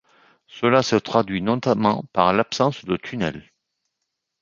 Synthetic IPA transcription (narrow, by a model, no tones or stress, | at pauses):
səlasət̪χad̪ɥinɔt̪amɑ̃paʁlapsɑ̃sd̪ət̪ʰynɛl